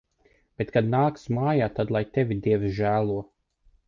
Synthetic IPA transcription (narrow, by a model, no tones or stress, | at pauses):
b̥et̪kad̪naːksmaːjaːt̪ad̪lˠajt̪evʲid̪iɛvsʒæːlˠuɔ